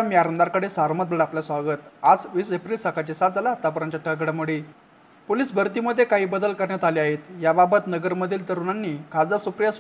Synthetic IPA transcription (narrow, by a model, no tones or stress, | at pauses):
amiːaɾənd̪aɾkəɽesaɾmət̪̚bəɽapljasʋaɡət̪ad͡zʋiːsepɾilsakat͡ɕesat̪̚d͡zalat̪ap̬əɾaɲt͡ɕaʈʰəɡəɽamuɽi | poliːsbʱəɾt̪iːməd̪ʱːjekaɦiːbəd̪əlkəɾɳjat̪aliaɦet̪jababət̪nəɡəɾməd̪ʱiːlt̪əɾunanːiːkʰad͡zd̪asupɾjas